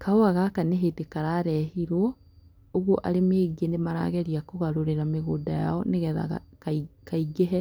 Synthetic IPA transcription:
kʰaoaɣakaneɦetekaɾaɾɛhiɾwɔ | oɣwɔʔaɾemeːɣienemaɾa̰ːɣɛɾiakoɣaɾoɾeɾameɣoːdaja̰ɔneɣɛða̰ɣa̰kikaiɣeɦɛ

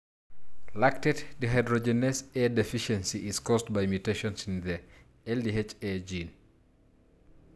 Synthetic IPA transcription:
lak̚tɛtdiɦajdɹɔd͡ʒɛnɛsɛdɛfiʃɛ̃nsiʔizkɔstbajmjuteʃɔ̃nsĩnðɛ | ɛldiɦet͡ʃɛd͡ʒĩn

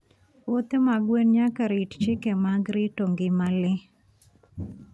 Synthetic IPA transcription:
wot̪emaɡwenɲakaɾitt͡ʃɪkemaɡɾɪtoŋɡɪmalɪ

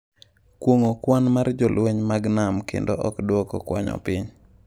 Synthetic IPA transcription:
kwoŋokwanmard͡ʒɔlweɲmaɡnamkʰḛndo̰ʔɔkdwɔkɔ̰kwaɲɔ̰pɪɲ

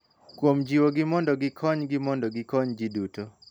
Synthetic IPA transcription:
kwomd͡ʒiwoɡɪmɔndɔɡɪkʰɔɲɡɪmɔndɔɡɪkɔɲd͡ʒiduto

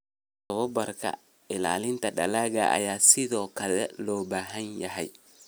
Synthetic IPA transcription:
tɔwɔbɐɾka̰ | ɪla̰ːlɪnt̪ɐɗɐlaːɡa̰ʔa̰jaːsiðɔːkɐðɛlɔːbaːɦɐnjɐɦɐj

